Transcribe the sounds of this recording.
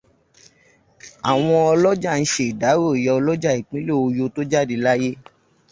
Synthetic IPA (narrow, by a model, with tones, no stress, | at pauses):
a˨w̃ɔ̃˧ɔ˧lɔ˦d͡ʒa˦˨ñ̩˦ʃe˦i˨da˨˦ɾo˦˨jɔ˧ɔ˧lɔ˦d͡ʒa˦˨i˨k͡pĩ˨˦lo˦˨o˧jo˧to˦d͡ʒa˦˨di˧la˦je˦